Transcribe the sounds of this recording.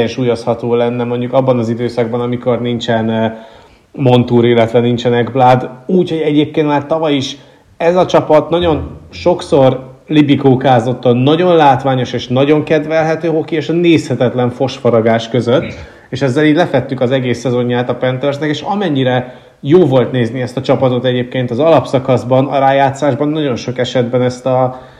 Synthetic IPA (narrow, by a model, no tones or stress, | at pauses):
ɛnʃuːjoshɒt̪oːlɛnːɛmo̞ɲɟukɒbːɒnɒzid̪øːsɒɡ̚bɒnɒmiko̞rnint͡ʃɛn | mo̞nt̪uːɾeːlɛt̪ʋɛnint͡ʃɛnɛɡblaːd̪uːcho̞ɟɛɟeːp̚keːnmaːrt̪ɒvɒjiʃ | ɛzɒt͡ʃɒpɒt̪nɒɟo̞nʃo̞kso̞rlibikoːkaːzo̞t̪ːɒnnːɒɟo̞nlaːt̪ʋaːɲo̞ʃeːʃnɒɟo̞ŋkɛd̪vɛlɦɛt̪øːɦo̞kieːʃɒneːshɛt̪ɛt̪lɛɱfo̞ʃfɒɾɒɡaːʃkøzø̞t̪ː | eːʃɛzːɛliːɟlɛfɛt̪ːykɒzɛɡeːsːɛzo̞ɲːaːt̪ɒpɛnt̪ɛrsnɛkeːʃɒmɛɲːiɾɛ | joːvo̞lt̪neːzniɛst̪ɒt͡ʃɒpɒt̪o̞t̪ɛɟeːp̚keːnt̪ɒzɒlɒpsɒkɒzbɒnɒ̰ɾaːjaːt̪saːʒbɒnːɒɟo̞nʃo̞kɛʃɛd̪bɛnɛst̪ɒ